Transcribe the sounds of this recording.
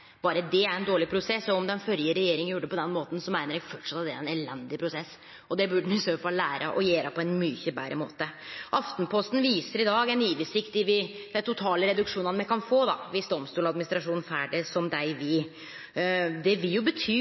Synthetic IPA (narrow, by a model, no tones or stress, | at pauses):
b̥ɑːɾəd̪ɛæɾɛnd̪oːɭɪpʰɾʊsɛsːɔɔmd̪ɛnfœɾjəɾɛjeːɾɪŋəjuːɖəpɔd̪ɛnmoːt̪n̩sɔmæɪnəɾɛfɔʈʂɑt̪d̪ɛæɾɛnɛlɛnd̪ɪpʰɾʊsɛsː | ɔd̪ɛbʉɖənɪsøːəfɑlːæːɾʔə̰ʔɔjeːɾɑpʰɔɛnmyçəbæ̰ɾʔə̰mo̰ːt̪əʔɑft̪npʰɔst̪n̩ʋiːsəɾɪd̪ɑːɡɛniːʋɪsɪkt̪ɪʋɪd̪̥æɪt̪ʰʊt̪ʰɑːləɾɛd̪ʉkʂuːnɑnmɛɪkʰɑnfoːd̪ɑʋɪsd̪ɔmst̪uːlɑd̪̚mɪnɪst̪ɾɑʂuːnn̩fæːɖəsɔmd̪æɪʋɪ | d̪ɛʋɪljʊbət̪ʰyː